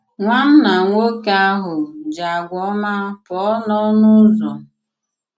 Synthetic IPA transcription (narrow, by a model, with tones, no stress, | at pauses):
ŋʷa˦n̩˦na˨ŋʷo˦ka˦a˦ɦʊ˨d͡ʒa˨ɡʷɔ˦ma˦pɔ˨˦nɔ˦nʊ˦zɔ˨